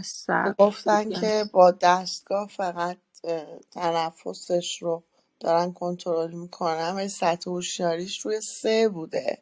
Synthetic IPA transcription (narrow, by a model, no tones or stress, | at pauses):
saɡoft̪ænkʰe̞bɒːd̪æst̪̚ɡ̥ɒːhfæɣæt̪̚ʰː | ænæfːo̞seʃɾo | d̪̥ɒːɾænkʰo̞nt̪ʰoɾolmikʰo̞nænvælisæt̪ʰːehoʃijɒːɾiːʃɾuːje̞sebuːd̪e̞̰